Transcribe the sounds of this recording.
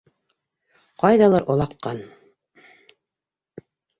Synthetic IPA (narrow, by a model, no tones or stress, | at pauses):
qɑjðɑlˠɑɾʔŏlˠɑqːɑn